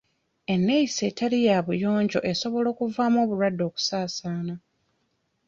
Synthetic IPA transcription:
e̞nːe̞isetalijaβujo̞ːɲɟo̞̰ʔe̞so̞βo̞lo̞ːkuvaːmo̞ːβuɾwadːo̞ːku̥saːsaːna

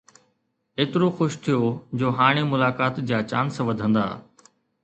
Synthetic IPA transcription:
eːt̪ɪɾoxʊʃt̪ʰijoːd͡ʑoːɦaːɽ̃emʊlaːkaːt̪d͡ʑaːt͡ɕa̰ːnsʋɐd̪ʱə̃nd̪a̰ː

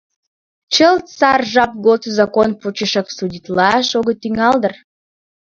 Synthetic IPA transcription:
t͡ɕəlt̪t͡sɑrʒɑp̚ɡot̪zɑkonput͡ɕəʃɑksudʲit̪lɑʃoɣət̪yŋɑld̪ə̆r

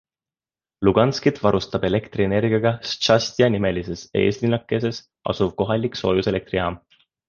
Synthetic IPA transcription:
luɡ̥ɑnskit̪vɑɾust̪ɑb̥e̞le̞kt̪riene̞rɡiɑɡ̥ɑst͡ʃɑst̪ʲiɑnime̞lise̞se̞̰ːslinɑkːˑe̞s̬e̞s | ʔɑ̰suv̥̚ko̞ɦɑlʲːikso̞ːjuse̞le̞k̚t̪riɑːm

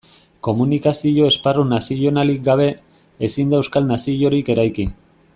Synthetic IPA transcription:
ko̞munikasio̞e̞sparunasio̞nalik̚ɡaβ̞e̞ | esind̪aewskalnasiʎo̞ɾike̞ɾajkin

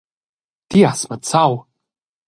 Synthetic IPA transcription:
d̥iasmat͡sʰaw | d

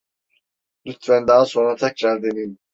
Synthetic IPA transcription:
lyt̪vænd̪aːso̞nɾat̪ʰɛk̚t͡ʃaɾd̪enin

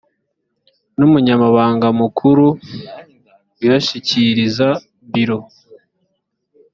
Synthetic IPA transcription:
numuɲamaβaːŋɡamukʰuɾu | ujaʃiciɾiza | βiɾo̞

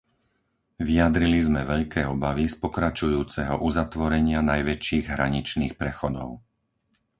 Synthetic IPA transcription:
ʋiad̪ɾilizmɛʋɛʎkɛːɔbaʋispɔkɾat͡ʃujuːt͡sɛɦɔʔuzat̪ʋɔɾɛɲɪanajʋɛt͡ʃiːɣɦɾaɲit͡ʃniːxpɾɛxɔd̪ɔ̰ʊ

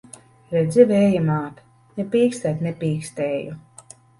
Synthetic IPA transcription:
ɾɛd̪zʲivɛːjamaːt̪ | nɛpʲiːkst̪ɛt̪nɛpʲiːkst̪ɛːju

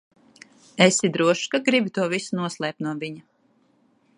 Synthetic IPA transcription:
esid̪ɾuɔʃkaɡɾibʲit̪uɔvisunuɔslˠɛːp̚t̪nuɔviɲa

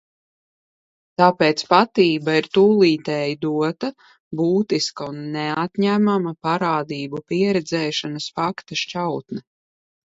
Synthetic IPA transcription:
t̪aːpeːt̪spat̪iːbaiɾt̪uːlˠiːt̪ɛːjid̪uɔt̪a | buːt̪iskaunːɛat̪ɲæmamɐpaɾaːd̪iːbupiɛɾɛd̪zɛːʃanɐsfakt̪aʃt͡ʃawt̪nɛ

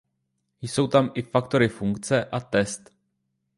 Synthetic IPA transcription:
jso̞wt̪amʔɪfakt̪o̞ɾɪfuŋkt͡sɛʔat̪ɛst̪

